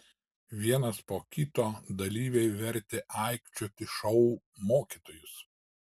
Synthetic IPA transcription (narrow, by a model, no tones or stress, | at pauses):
ʋʲiɛnɐspoːkʲɪt̪oːd̪ɐlʲiːʋʲɛɪʋʲɛɾʲt̪ʲeʔɑˑɪkt͡ʃʲot̪ʲɪʃɔʊ | moːkʲit̪oːjʊs